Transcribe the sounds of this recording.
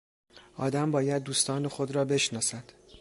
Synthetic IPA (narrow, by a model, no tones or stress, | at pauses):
ʔɒːd̪æmbɒːjæd̪̚ːuːst̪ɒːnexod̪ɾɒːbe̞ʃnɒːsæd̪̥